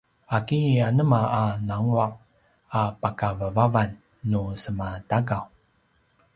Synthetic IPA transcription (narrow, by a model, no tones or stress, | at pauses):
akianəmaanaŋuaʔ̚ | apakavəvavanː | usəmataɡaw